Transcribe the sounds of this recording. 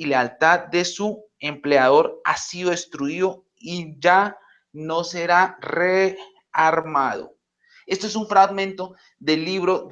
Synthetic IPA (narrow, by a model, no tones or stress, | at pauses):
ilealt̪að̚d̪e̞su | e̞mpleaðo̞ɾa̰siðoest̪ɾuiðo | iʝa | no̞se̞ɾare | aɾmaðo̰ | e̞st̪oes̬uɱfɾaɣmẽnt̪o̞ | ðe̞lːiβɾo